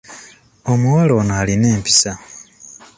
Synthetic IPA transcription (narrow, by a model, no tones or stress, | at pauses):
o̞muwalo̞ːnaaːline̞ːmpi̥sa